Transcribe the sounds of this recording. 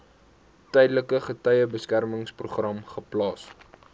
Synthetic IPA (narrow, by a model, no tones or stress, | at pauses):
tœjdləkəχətœjəbəskærməŋspruχrɐmχəplɑːs